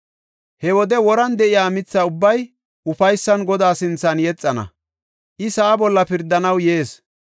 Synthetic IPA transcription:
hɛwɔd̪ɛwɔɾɐnd̪ɛʔɪjaːmɪt͡sːɐʊbːɐj | ʔʊfɐjsːɐnɡɔd̪aːsɪnt͡sːɐnjɛt͡sʼːɐnɐ̰ | ʔɪsɐʔːbɔlːɐpɪɾd̪ːɐnɐwje̞ːs

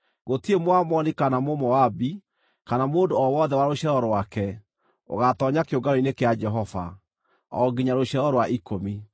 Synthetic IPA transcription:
ɣotiemoamɔnikanamomɔabi | kanamoːndoɔwɔðɛwaɾoɕɛɾɔɾwakɛ | o̰ɣatɔɲakeoɡaɾoinekead͡ʒɛɦɔva̰ | ɔ̰ɡiɲaɾoɕɛɾɔɾwaʔikomi

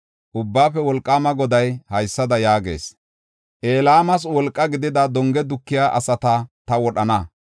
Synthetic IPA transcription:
ʔʊbːaːfɛwɔlkʼːaːmɐɡɔd̪ɐjhɐjsːɐd̪ɐjaːɡe̞̰ːs | ʔe̞ːlaːmɐs̬wɔlkʼːɐɡɪd̪ɪd̪ɐd̪ɔŋɡɛd̪ʊkːɪjaːʔɐsɐt̪ɐt̪ɐwɔɗɐnɐ

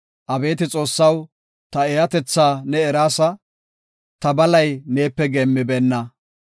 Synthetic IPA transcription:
ʔɐbe̞ːt̪ɪt͡sʼo̞ːsːɐw | t̪ɐeːhɐt̪ɛt͡sːaːnɛːɾaːsɐ | t̪ɐbɐlɐjne̞ːpːɛɡɛmːɪbeːnːɐ

